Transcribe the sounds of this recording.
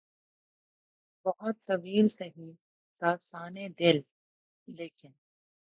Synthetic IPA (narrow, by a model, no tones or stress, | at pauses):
bɐɦʊt̪t̪ɐʋiːlsɐɦi | saːt̪saːned̪ɪlː | eːkɪn